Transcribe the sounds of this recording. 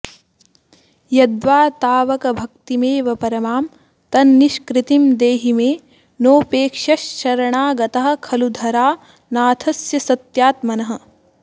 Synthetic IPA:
jɐd̪ʋaːt̪aːʋɐkɐbʱɐkt̪imeːʋɐpɐɾɐmaːm | t̪ɐnːiʃkɾɪt̪imd̪eːɦimeː | noːpeːkʂɐʃʃɐɾɐɳaːɡɐt̪ɐɦɐ̆kʰɐlud̪ʱɐɾaː | naːt̪ʰɐsjɐsɐt̪jaːt̪mɐnɐɦɐ̆

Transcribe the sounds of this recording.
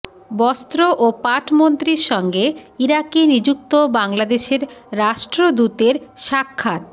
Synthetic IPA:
bɔst̪ɾoʔopaʈʰmont̪ɾiɾʃɔŋɡeiɾakinid͡ʑuk̚t̪obaŋlad̪eʃeɾːaʃʈɾod̪ut̪eɾʃakʰːat̪̚

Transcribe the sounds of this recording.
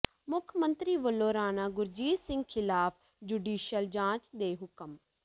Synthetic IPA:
mʊkʰmənt̪ɾiːʋəloːɾaːnaːɡʊɾd͡ʒiːd̪sɪ̃ŋɡ̚kʰɪlaːpʰ | d͡ʒuːɖiːʃəld͡ʒãːt͡ʃd̪eːɦʊkəm

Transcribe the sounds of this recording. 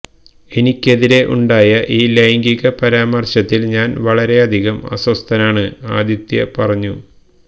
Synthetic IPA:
e̞nikʲːe̞ðiɾe̞ʔṵɳɖaːjɐʔiːlejɐŋɡiɣɐpɐɾaːmɐrɕɐt̪ːilɲaːnʋɐɭɐɾe̞ɐd̪ʱiɣɐmɐ̰sɐst̪ʰɐnaːɳɨaːd̪jɐt̪jɐ̰pɐrɐɲːu

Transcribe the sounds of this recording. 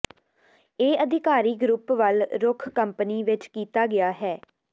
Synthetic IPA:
eːəd̪ʱɪkaːɾiːɡɾupʋəlɾʊkʰkəmpniːʋɪt͡ʃkiːt̪aːɡɪaːɦɛː

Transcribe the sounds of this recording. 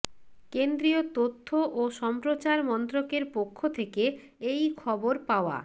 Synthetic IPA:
kend̪ɾiot̪ot̪ʰːoʔoʃɔmpɾot͡ɕaɾmɔnt̪ɾokeɾpokʰːot̪ʰeke | ejkʰɔboɾpaoa̰

